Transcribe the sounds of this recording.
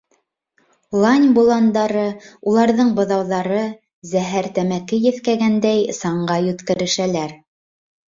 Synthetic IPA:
lˠɑnʲbulˠɑnd̪ɑɾɤulˠɑɾðɤɴbɤ̆ðɑwðɑɾɤ | zæɦæɾt̪æmækɘjɘ̆θkæɡænd̪æjsɑɴɢɑjɵt̪kɘ̆ɾɘ̆ʃælæɾ

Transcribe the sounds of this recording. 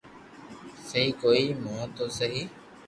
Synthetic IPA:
səɦiːkoːiːmõːt̪oːsəɦiː

